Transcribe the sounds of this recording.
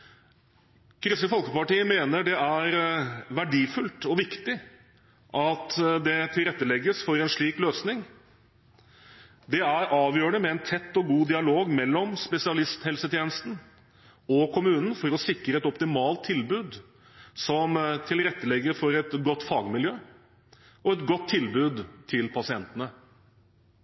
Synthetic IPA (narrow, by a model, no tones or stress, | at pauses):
kʰɾʏsəfɔlkəpɑʈiːəmeːnəɖɛæɾʋæɖiːfʉlt̪ɔʋɪkt̪ɪ | ʔɑt̪d̪ɛt̪ʰɪlɾɛt̪ːəlɛɡːəsfɔɾɛnʂɭiːkløːsnɪŋ | d̪ɛæɾʔɑːʋjøːɾəɳəmɛɛnt̪ʰɛt̪ːɔɡuːd̪ɪɑloːɡmɛlːɔmspɛsɪɑlɪst̪hɛlsət̪ʰjeːnəst̪n̩ | ɔkʰʊmʉːnn̩fɔɾɔsɪkɾəɛt̪ɔpt̪ɪmɑːlt̪ʰːɪlbʉːd̪ | sɔmt̪ʰɪlɾɛt̪ːəlɛɡːəɾfɔɾɛt̪ɡɔt̪ːfɑːɡmɪljøː | ɔɛt̪ɡɔt̪ʰːɪlbʉːd̪t̪ʰɪlpʰɑsɪɛnt̪ənə